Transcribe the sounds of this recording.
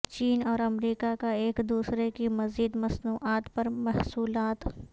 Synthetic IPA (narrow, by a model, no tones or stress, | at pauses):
t͡ʃiːnɔːɾɐmɾiːkakaeːkd̪uːsɾekimɐziːd̪mɐsnuːʔaːt̪pɐɾmɐɦsuːlaːt̪